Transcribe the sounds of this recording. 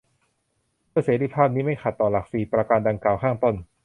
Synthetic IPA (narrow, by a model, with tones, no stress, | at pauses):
mʰɯ˥˩seː˨˦t̪i˧˩pʰaː˥˩p̚niː˦˥ma˥˩jxa˨˩t̪ːɔː˨˩la˨˩k̚siː˨˩pɾa˧kaː˧nda˧ŋkaː˨˩wkʰaː˥˩ŋt̪o˥˩n